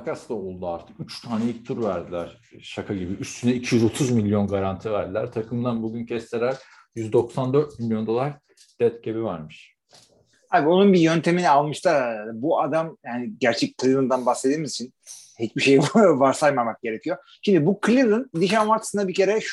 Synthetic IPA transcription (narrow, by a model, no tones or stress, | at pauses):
kʰasd̪aolˠd̪uaɾt̪ʰɯ̥kyt͡ʃt̪ʰaːneic̚t̪ʰuɾvæɾd̪ilʲæɾ̥ | ʃakʰaɟibiyst̪ʰynɛicʰijyzo̞t̪ʰuzmilʲːjo̞nɡaɾant̪ʰivæɾd̪ilʲæɾt̪ʰakʰɯmd̪anbuɟyncʰɛst̪ʰelæɾ | jyzd̪o̞ksand̪øɾt̪̚milʲjo̞nd̪o̞lˠaɾ | d̪̥ɛt̪̚cʰebivaɾmɯʃ | haːbio̞nunbijø̞nt̪ʰe̞minialˠmɯʃt̪ʰabuad̪amjaːniɟæɾt͡ʃʰɛc̚kʰːɯlʲilˠɯnd̪anbaxse̞d̪iːmizit͡ʃʰin | hit͡ʃbiʃe̞jvaɾsajmamak̚ɟe̞ɾe̞cʰijo̞ | ʃimd̪ibukʰlʲilˠɯnd̪iʃanmaɾt̪ʰɯ̥sɯnd̪abicʰe̞ɾɛʃ